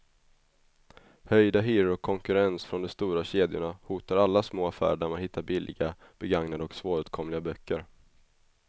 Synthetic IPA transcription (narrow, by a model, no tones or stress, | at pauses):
hœjd̪aɦyːɾɔkʰːɔŋkɵɾɛnsfɾɔnd̪ɔst̪uːɾaɕeːd̪jʊ̰ɳahuːt̪aɾalːasmoːafæ̰ːɾɖæɾmanhɪt̪ːaɾbɪlːʔɪ̰ɡa | b̥ɛɡaŋnad̪əɔksvoːɾɵt̪̚kʰɔmlɪɡabœkʰːəɾ